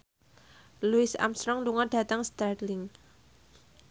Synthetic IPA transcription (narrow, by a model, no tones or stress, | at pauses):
luɪsa̰mst̪ɾɔŋluŋaɖ̥ä̤t̪aŋst̪ardlɪŋ